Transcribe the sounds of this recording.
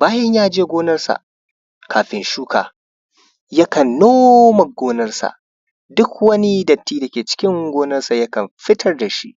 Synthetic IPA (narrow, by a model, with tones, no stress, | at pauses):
baː˦jɐ˦ɲjaː˦˨d͡ʒeː˦ɡʷoː˦nɐ˦rsa̰˨ʔ | kʰaː˨ɸɪ˦nʃuː˦ka̰ː˨ | jɐ˦kɐ˨nːoː˦mɐ˨ɡoː˦nɐ˦rsa̰˨ʔ | dʊ˦kwɐ˦ni˦dɐ˨tːiː˦da˨kʲeː˨t͡ʃɪ̥˦kʲɪ˦ŋɡʷoː˦nɐ˦rsa˨jɐ˦kɐ˨mɸɪ˦tʰɐ˦rda˨ʃi˦ʔ